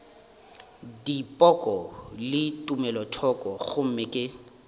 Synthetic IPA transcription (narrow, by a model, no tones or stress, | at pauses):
dipʼɔkʼɔlɪtʼumɛlɔtʰɔkʼɔɣʊm̩mɪkʼɪ